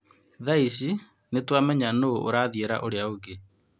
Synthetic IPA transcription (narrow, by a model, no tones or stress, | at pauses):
ðaiɕi | netwamɛɲanoo̰ɾaðieɾa̰ʔoɾeaoɡe